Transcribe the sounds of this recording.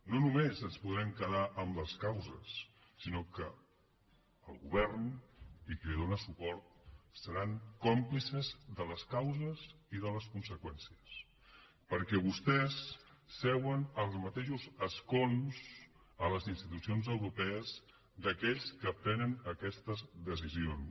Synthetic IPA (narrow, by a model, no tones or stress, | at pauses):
nonumezənspuðɾɛŋkəðaʔəmləskawzəsː | inokə | əlˠɣṵβ̞ɛɾnikəliðonəsupɔɾt̪̚səɾaŋkɔmplisəzðələskawzəziðələskunsəkwɛnsiəs | pəɾkɛβust̪ɛsːɛwənəlˠzmət̪eʃuzəskonz̥ | ələzinst̪it̪usionzəwɾupɛəz | d̪əkɛʎskəpɾɛnənəkɛst̪əzðəsizion